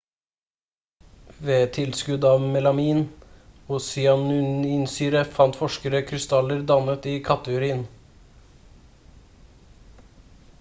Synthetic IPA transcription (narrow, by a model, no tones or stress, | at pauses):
ʋeːt̪ʰɪlskʉd̪ɑːʋmɛlɑmiːnoːsɪɑnʉnɪnsyːɾəfɑnt̪fɔʃkəɾəkʰɾɪst̪ɑləɾd̪ɑmət̪iːkʰɑt̪əʉɾiːən